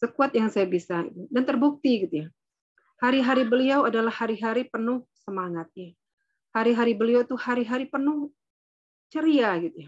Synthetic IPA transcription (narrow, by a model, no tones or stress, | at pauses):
səkuat̪̚jaŋsajabisaḭt̪udant̪ərbuk̚t̪iɡit̪uja | haɾiɦaɾibəliawadalahːaɾiɦaɾipənʊhsəmaŋat̪̚ɲa | haɾiɦaɾibəliawt̪uhaɾiɦaɾipənʊh | t͡ʃəɾiaɡit̪uja